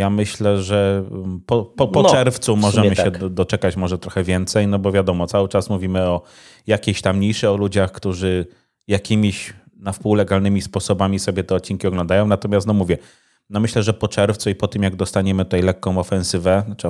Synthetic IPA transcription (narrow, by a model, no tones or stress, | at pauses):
jamɘɕlɛʐɛpɔpɔpɔɛɾft̪sumɔʐɛmɘɕɛd̪ɔt͡ʂɛkat͡ɕmɔʐɛt̪ɾɔxɛvʲjɛnt̪sɛjnɔbɔvʲjad̪ɔmɔt̪sawɘt͡ʂasmuvʲimɘɔ | jakʲeɕt̪amɲiʂɘɔlud͡ʑaxkt̪uʐɘ | jakʲimʲiɕ | nafpuwlɛɡalnɘmʲispɔsɔbamʲisɔbʲjɛt̪ɛɔt̪̚t͡ɕinkʲiɔɡlɔ̃nd̪ajɔ̃w̃nat̪ɔmʲast̪nɔmuvʲjɛ | nɔmɘɕlɛʐɛpɔt͡ʂɛɾft̪suipɔt̪ɘmjaɡ̚d̪ɔst̪aɲɛmɘt̪ut̪ɛajlɛkːɔ̃w̃ɔfɛ̃sɘvɛt͡ʂ